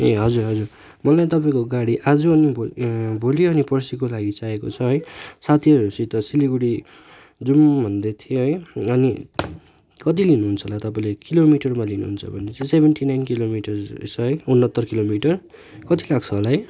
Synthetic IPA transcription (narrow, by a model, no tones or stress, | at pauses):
eɦʌd͡zuɾɦʌd͡zur | mʌlajt̪ʌpaĩkoɡaɽiʔad͡zuʌnibʱobʱoliʌnipʌrsikolaɡit͡saekot͡sʰʌɦʌjsat̪ʰiʌɾusit̪ʌsiliɡuɽi | d͡zumbʱʌnd̪et̪ʰijoɦʌjʌni | kʌt̪̬ilinuɦunt͡sʰʌlat̪ʌpaĩlekilomiʈʌrmalinṵɦunt͡sʰʌbʱʌnet͡sãsebʱenʈinajnkilomiʈʌr̰sʰʌɦʌjunːʌt̪ːʌrkilomiʈʌr | kʌt̪ilaɡ̚t͡sʰʌlaɦʌj